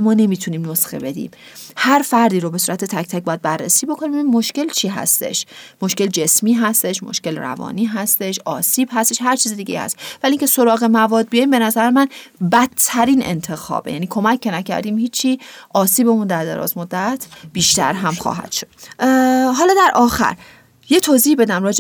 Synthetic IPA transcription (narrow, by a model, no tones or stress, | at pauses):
mɒːne̞miːt̪ʰuniːmnosxebe̞d̪ḭːm | hæɾfæɾd̪iːɾobe̞suːɾæt̪ʰet̪ʰæc̚ʰt̪ʰæc̚bɒːjæd̪̚bærːḛsiːbo̞kʰoniːmebimːo̞ʃce̞lt͡ʃʰiːɦæ̰st̪e̞̰ʃmo̞ʃce̞ld͡ʒe̞smiːɦæst̪e̞ʃmo̰ʃke̞lræ̰vɒ̰ːniːɦæst̪e̞ʃɒ̰ːsiːb̥hæst̪e̞ʃɦæɾt͡ʃʰiːzed̪iːɟejihæ̰st̪væliːŋcʲʰeso̞ɾɒːɣemævɒːd̪̚bijɒjimbe̞næzæɾemænbæt̪ʰːæɾiːnḛnt̪ʰe̞xɒ̰ːbḛjæniːkʰo̞mæcʰːe̞næcʰæ̰ɾd̪iːmhiːt͡ʃʰːiːʔɒːsiːbe̞mund̪æɾd̪ḛɾɒ̰ːzmo̞d̪ːæt̪ʰb̥iːʃt̪æ̰ɾɦæmχɒ̰ːɦæ̰d̪̥ʃo̥d̪̥̚ | ɦɒːlɒːd̪æɾʔɒːxæ̰ɾ | jet̪ʰoziːhbe̞d̪æmɾɒːd͡ʒe